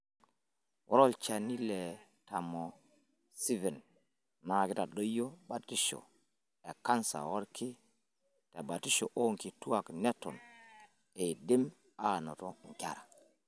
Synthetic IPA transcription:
wo̰˦ɾo˦lt͡ʃa˨ni˦le˨ | ta˨mo˨ | si˦vɛ˨n | na˨ki˦ta˨ɗo˦jo˦ba˨ti˦ʃo̰˨ | e˨ka˦nsa̰˨wo˦ɾkʰi˦ | ta˨ba˨ti˦ʃo˨ʔo˦ŋki˨tu˦a˨kne˦tɔ̰˨n | e˨di˦m | aː˦no˨to˦ŋkʲa˨ɾa˨

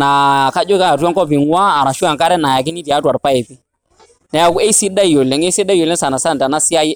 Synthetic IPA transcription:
na˨ka˦d͡ʒɔ˦ka˦˨twa˦ŋkɔ˦pi˨ŋwaː˦˨ɾa˨ʃu˦a˨ŋka˦ɾɛ˦na˨ja˨k̬i˦ni˦ti˨a˦twa˨ɾpa˦ɛ˨ti˦ | nɛ˨ja˨ku˦ɛ˦i˦si˦ɗa˦i˨jɔ˨lɛ˨ŋɛ˦si˦ɗa˦i˨jɔ˨lɛ˦sa˨na˨sa˦˨nta˨na˦si˦a˦jɛ˦

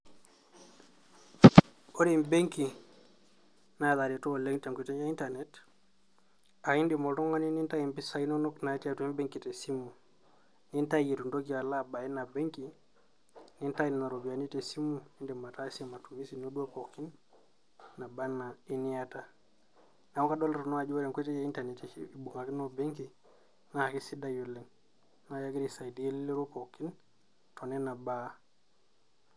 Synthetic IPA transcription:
o˦ɾimbe˦ŋki | naða˨ɾitɔ˦lɛ˦ŋte˨ŋkui˨tɛ˦d͡ʒa˦i˦ntaɾnɛt | a˨i˦ndi˨mɔ˨tɔ˦ŋɡa˦ni˦ni˦nta˦i˨mbi˦sa˨jnɔ˦nɔ˦kna˨˦tia˦tui˦mbe˦ŋki˨tɛsi˦mːu˨ | ni˦nta˦ji˨tu˨ndo˦ɡi˨a˨laba˨i˦na˨be˦ŋki | ni˦nta˦ji˨na˨ɾobi˨a˨ni˦tɛ˨si˦mːui˦nde˨ma˨ta˦se˦ma˨tu˨mi˦si˨no˦du˦a˦po˨kːi˦nː | a˨ba˦na˨i˦ni˦a˦ta˦ | na˨˦ka˦do˦lɾo˨no˦a˨d͡ʒu˦wo˦ɾe˨ŋkʷe˦te˦je˦i˦nta˨ni˨ti˨bu˨ŋa˨ki˦no˦be˦ŋki˨ | na˦ha˨ki˦si˦da˦ju˨le˨ŋ | na˦ja˦ɡi˦ɾi˨sa˨jdi˨˦e˦li˦le˦ɾo˦po˨kːi˦n | to˨ne˦na˨ba˦

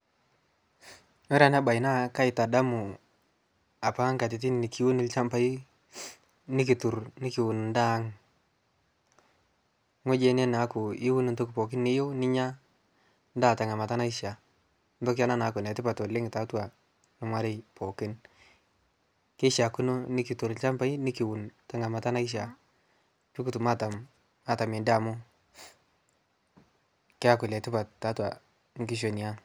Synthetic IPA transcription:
me˦ɾa˨na˦ba˨ɪ˨na˦ka˦ɪ˨ta˨da˦mʊ˨ | a˨pa˦ŋka˨tɪ˨t̬ɪ˦n˨nɪ˨kʰi˦wu˦nɪ˦lt͡ʃa˦mpa˦i˦ | nɪ˦k̬ɪ˨tʊ˨ɾnɪ˦kɪ˨wʊ˨n˨nda˦ŋ | ŋo˦d͡ʒe˦nɛ˦na˨˦kʊ˨ɪ˦wʊ˦nɪ˨nto˦kpɔ˨k̬ɪ˦nːɪ˦jo˦nɪ˦ɲa˦ | n˦daː˦˨ta˨ŋa˨ma˨ta˦na˦ɪ˦ʃja˨ | nto˦kja˦na˦na˨˦kʊ˨nɛ˨tɪ˦pa˨to˨lɪ˦ŋ˨ta˨twa˨ | nɪ˨˦mwa˦ɾe˦pɔ˨kɪ˦n | ke˦ʃa˨kʊ˦no˦nɪ˦ki˨to˨ɾɪ˨lt͡ʃa˦mpa˦ji˦nɪ˦ki˨wʊ˨nta˨ŋa˨ma˨ta˦na˦ɪ˦ʃ̬a˨ | pi˦ku˨tu˨ma˦ta˨m | a˨ta˨me˨nda˨mʊ˦ | kɪ˦a˦kʊ˨lɛ˨tɪ˦pa˨ttːa˨˦twa̰˨ | ŋ˦ki˦ʃ̬o˨ni˨a˦

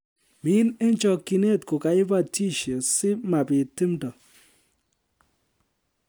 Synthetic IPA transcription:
mɪ˦ne˦nt͡ʃɔ˨kːi˨ne˦˨tko˨ka˨ɪ˦ba˦˨ti˦ʃe˨sɪ˦ma˨pɪ˨ti˦mdɔ˨

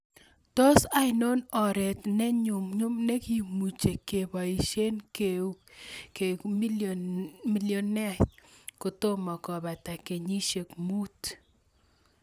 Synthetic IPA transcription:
tɔ˦sa˦ɪno˦nɔ˨ɾɛ˨tnɛ˦ɲʊ˨mɲʊ˦mnɛ˦ki˨mu˨t͡ʃe˨kːe˨ba˨i˨ʃe˦nkeuke˨mi˦ | mi˦ljo˨nɛ˦tkʊ˨to˦ma˨kɔ˨ba˨ta˨ke˨ɲi˦ʃe˨kmu˦t

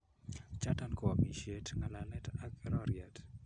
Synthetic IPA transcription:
t͡ʃa˦ta˨nko˨a˨mi˨ʃe˦tŋa˨lalɛ˦ta˦kɛ˨ɾɔɾɪa˨t

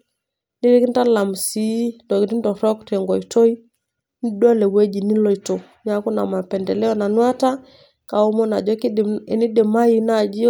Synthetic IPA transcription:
ni˦ɾi˦ki˦n˦ta˦la˨m˨si˦ndɔ˨ki˦ti˦ndɔ˨ɾɔ˦ktɛ˨ŋɡɔ˨i˨to˦i˦ | ni˦da˦lɛ˨we˦d͡ʒi˨ni˦lɔ˨i˨to˨ | ɲa˦ku˦na̰˨ma˨pɛ˨ndɛ˨lɛ˦ɔ˦na˨nwa˦ta˦ | ka˨o˦mɔ˦na̰˨d͡ʒɔ˦kni˦de˨ma˦i˦na˦˨d͡ʒi˦

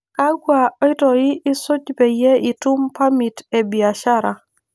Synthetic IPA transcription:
ka˦ɡwa˨ɔ˦ɪ˦tɔ˨ɪ˦ɪ˦sʊ˦t͡ʃbe˨jɛ˦ɪ˨tu˦mpa˦mi˨te˨bi˨a˨ʃa˦ɾa˨

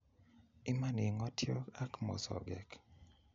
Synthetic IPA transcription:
ɪ˦ma˦ni˨ŋɔ˦tjɔ˦a˦kmɔ̰˨sɔ̰˨ɡɛ˨k

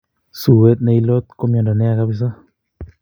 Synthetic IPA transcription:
su˨we˦t̪̚nɛ˧i˦lo˦t̪̚ko˦m˦ɔ˨nda˨nɛ˦a˧˨ka˦pɪ˧s̬ɔ˦

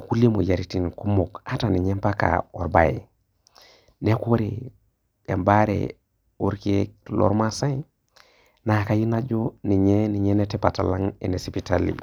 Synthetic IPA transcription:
ku˦li˦mo˨ja˨ɾiti˨nku˦mo˨ka˦ta˨ni˨ɲe˦mpa˦ka̰˨o˨ɾba˨ḛ˨ | ne˦ko˦ɾḛ˨ | e˨mba˦ɾḛ˨ | u˦ɾki˦lo̰˦ɾma˦sa˦i˦ | na˨ka˦ji˦na˦d͡ʒo˦ni˨ɲeni˨ɲe˦ne˦te˦pa˨ta˨la˦ŋḛ˨ne˨si˨pitalḭ˨

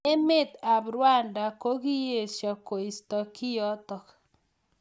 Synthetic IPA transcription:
e˦me˦˨t̪a˨bɾwa˦˨nda˨ko˦ɣi˦je˨sjɔ˨ko˨i˨stɔ˨ki˦jɔ˦t̪ɔ˨k

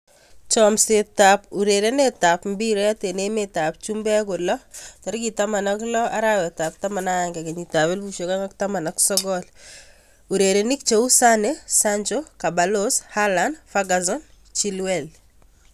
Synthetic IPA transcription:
t͡ʃɔmse˨tapu˨ɾe˨ɾe˦ne˦ta˨pmbi˦ɾo˦ja˦te˨ne˦meta˨p̚t͡ʃu˦mbɛ˦kʊ˨lɔ˦tɔ˨ɾɡi˨ta˦ma˨na˦klɔ˦a̰˦ɾawɛ˨ta˨p̚ta˦ma˨naaŋɡɛ˨ke˨ɲi˨ta˨βɛ˦lbu˨ʃo˨ka˦ŋa˦kta˦ma˨naksɔ˦ɡɔ˦l | u˨ɾe˨ɾeni˦kt͡ʃo˦u˦sa˦nesaɲd͡ʒoka˨ba˨loshalandfaɡazɔ˦n | t͡ʃi˦lwɛl

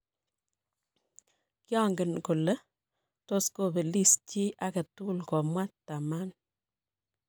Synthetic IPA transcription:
kjɑ˦ŋɡə˨nkʊ˨lə˦ | to˦sko˦˨be˨li˦st͡ʃi˦ʔa˦kə˨tu˦lkɔ˨mwa˦tta˨ma˦n

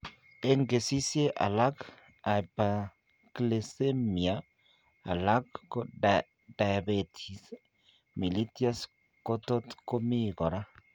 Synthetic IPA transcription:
e˦ŋɡe˨si˦sje˦ʔa̰˨la˦k | a˨pa˨ | kle˨se˦mi˨a˨ | a̰˨la˦kːo˦ | da˨ja˨be˨t̪ʰi˨s | mi˨li˦ti˦a˦s | ko˦t̪o˦tko˦mi˦ɡɔ˨ɾa˦

